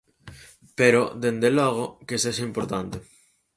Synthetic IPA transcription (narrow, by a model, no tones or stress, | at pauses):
peɾod̪end̪eloɣ̞okeseʃaimpoɾt̪ant̪e